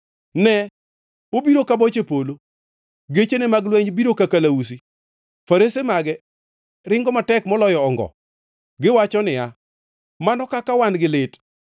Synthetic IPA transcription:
nɛ | obiɾokabot͡ʃepolo | ɡet͡ʃenemaɡlwɛɲbiɾokakalaus̬i | faɾesemaɡɛ | ɾɪŋɡɔmatɛkmɔlɔjɔːŋɡɔ̰ | ɡɪwat͡ʃɔnɪa | manɔkakawanɡɪlɪt

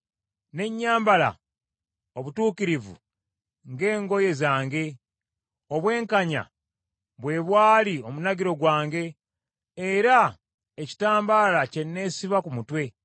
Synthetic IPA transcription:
ne̞ɲːaːmbala̰ | oβutuːkiɾivṵ | ŋɡe̞ːŋɡo̞je̞zaːŋɡe̞ | o̞βwe̞ːŋkaɲa̰ | βwe̞ːβwaːlio̞munaɡiɾo̞ɡwaːŋɡe̞ː | ɾa | eci̥taːmbaːlace̞nːe̞ːsiβakumutwe̞

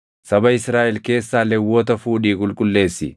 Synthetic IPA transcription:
sɐbɐɪsɾaːʔɛlke̞ːsːaːlːɛwːɔːt̪ɐfuːᶑiːkʼʊlkʼʊlːe̞ːsːɪ̰

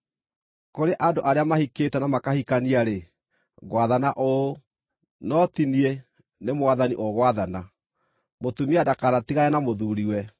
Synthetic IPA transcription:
koɾeʔadoʔaɾeamahiketɛnamakahikaniaɾe | ɣwaðanaʔo | nɔtinie | nemwaðanḭʔoɣwaðana | motumiadakaɾatiɣaɛnamoðuɾiwɛ

